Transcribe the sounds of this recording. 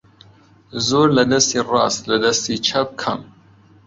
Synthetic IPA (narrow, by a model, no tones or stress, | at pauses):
zoːɾlɐd̪ɐst̪iːrɑːst̪lɐd̪ɐst̪iːt͡ʃʰɐp̚kʰɐm